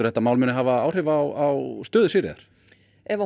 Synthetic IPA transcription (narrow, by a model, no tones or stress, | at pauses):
ʏ̥θɛt̪amaːwlmʏnɪɦavaaːwr̥ɪːvawawst̪œːðʏsiːɾɪ̰ða̰ɾ̥ | ɛva